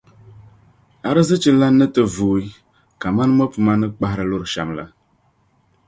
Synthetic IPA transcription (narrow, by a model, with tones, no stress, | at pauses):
a˨ɾɨ˦zɨ˦t͡ʃɨ˦la˦nːɨ˦tɨ˦vuː˨i˦ | ka˨ma˦n˦mɔ˦pu˨ma˦nɨ˦k͡pa˨hɾɨ˨lo˦ɾɨ˨ʃa̰˨mla̰˨